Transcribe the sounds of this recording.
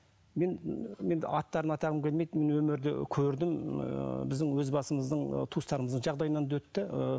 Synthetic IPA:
me̞nme̞nɑt̪ːɑɾənɑt̪ɑʁəmkʲʰelʲme̞jd̪me̞nwɵmɪɾd̪ɪ̰kʲʰɵɾd̪ɪm | bɪzd̪ɪŋwɵzbɑsəməzd̪əɴt̪ʰust̪ɑɾəməzd̪əɴʒɑʁd̪ɑjənɑnwɵt̪ːɪ

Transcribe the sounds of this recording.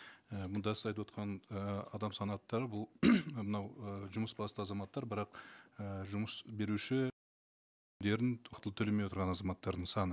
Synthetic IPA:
əmʊnd̪ɑsə̥zɑjt̪wo̞t̪qɑnəɑd̪ɑmsɑnɑt̪ːɑɾəbʊlˠmənɑwəʒʊməsbɑst̪əɑzɑmɑt̪ːɑɾbəɾɑqəʒʊməsbe̞ɾuʃɪ | d̪e̞ɾɪnwɑqt̪əlˠəpt̪ʰɵlemejot̪ɾʁɑnɑzɑmɑt̪ːɑɾd̪əɴsɑnə

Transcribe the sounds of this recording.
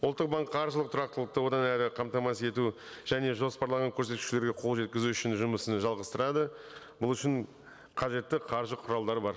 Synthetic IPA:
ʊlˠt̪ːəq̚bɑŋkqʰːɑɾʒəlˠəqt̪ʰʊɾɑq̚t̪əlˠəq̚t̪əwo̞d̪ɑnæɾɪqʰɑmt̪ɑmɑse̞t̪u | ʒ̥æne̞ʒo̞spɑɾlˠɑʁɑŋkʲʰɵɾs̬e̞t̪kʲʉ̥ʃle̞ɾɡʲeqʰo̞lˠʒe̞t̪̚kʲɪzuʏʃɪnʒʊməsənʒɑlˠʁəst̪əɾɑd̪ə | bʊlˠʏʃɪɴ | qʰɑʒe̞t̪ːɪqʰɑɾʒəqʰʊɾɑlˠd̪ɑɾbɑɾ

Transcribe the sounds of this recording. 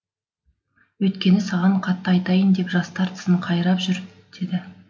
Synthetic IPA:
wɵjt̪kʲe̞nɪsɑʁɑɴqʰɑt̪ːəɑjt̪ɑjənd̪e̞pʒɑst̪ɑɾt̪ʰə̥səɴqʰɑjɾɑpʒʏɾ | d̪̥e̞d̪ɪ

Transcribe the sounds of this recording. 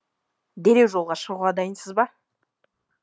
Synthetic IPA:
d̪e̞ɾe̞wʒo̞lˠʁɑʃəʁuʁɑd̪ɑjənsəzbɑ

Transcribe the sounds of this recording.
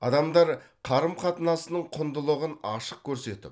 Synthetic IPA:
ɑd̪ɑmd̪ɑɾ | qʰɑɾəmqʰɑt̪ənɑsənəɴqʰʊnd̪əlˠəʁənɑʃəq̚kʲʰɵɾse̞t̪ɪ̰p

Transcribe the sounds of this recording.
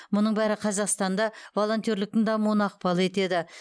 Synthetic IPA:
mʊnəɴbæɾɪqʰɑzɑqst̪ɑnd̪ɑvo̞lˠo̞nt̪ʲjoɾlɪk̚t̪ɪnd̪ɑmunɑq̚pɑlˠe̞t̪e̞d̪ɪ

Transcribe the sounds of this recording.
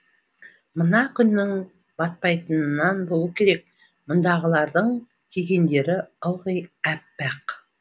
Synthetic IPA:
mənɑkʲʰʏnːɪŋ | bɑt̪̚pɑjt̪ənənɑnbolˠukʲʰe̞ɾe̞k̚ | mʊnd̪ɑʁəlˠɑɾd̪əɴ | kʲʰeɡʲe̞nd̪e̞ɾɪolˠʁəjæpːæq

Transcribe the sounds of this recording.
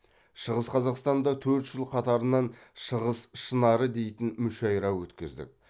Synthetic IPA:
ʃəʁəsqʰɑzɑqst̪ɑnd̪ɑt̪ʰɵɾt̪ʒ̥əlˠqʰɑt̪ɑɾənɑnʃəʁəsʃənɑɾəd̪e̞jt̪ɪnmʏʃɑjɾɑwɵt̪kʲɪzd̪ɪ̰k̚ʲ

